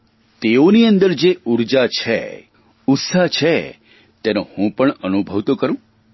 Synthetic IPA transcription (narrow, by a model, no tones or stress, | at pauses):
t̪eoniənd̪əɾd͡ʒeuɾd͡ʒat͡ʃʰḛ | ut̪saɦt͡ʃʰe | t̪ɛnohũpəɳənubʱəʋt̪okəɾũ